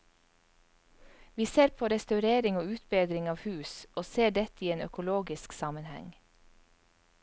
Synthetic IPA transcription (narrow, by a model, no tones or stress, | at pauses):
ʋiːseːɾpʰoːɾɛst̪ɑʉɾeːɾɪŋoːʉːt̪beːd̪ɾɪŋɑːʋhʉːsʔoːseːɖɛt̪iːeːnœkʊloːɡɪsksɑːmənhɛ̰ŋ